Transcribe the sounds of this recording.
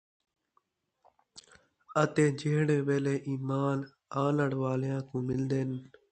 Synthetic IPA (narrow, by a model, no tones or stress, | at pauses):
ət̪ẽːd͡ʒeːɽeːʋeːleːʔiːmaːn | aːləɽʋaːljãːkũːmɪld̪eːn